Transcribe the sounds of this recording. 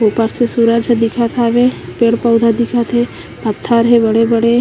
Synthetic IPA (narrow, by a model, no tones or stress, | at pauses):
opaɾsesuɾad͡ʒəd̪ikʰat̪ʰaʋepeɽpəwd̪ʱad̪ikʰat̪ʰe | pət̪ʰːaɾɦebəɽebəɽe